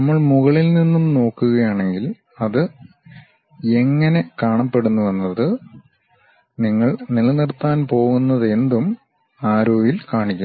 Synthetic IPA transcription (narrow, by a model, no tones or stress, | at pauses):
nɐmːɐɭmuɣɐɭilninːumno̞ːkːuɣɐjaːɳe̞ŋɡil | ɐðɨ | e̞ŋːɐne̞kaːɳɐpːe̞ɽunːuʋɐnːɐðɨ | niŋːɐɭnilɐnirt̪ːaːnpo̞ːɣunːɐðe̞nd̪um | aːɾoːʋilkaːɳikʲːu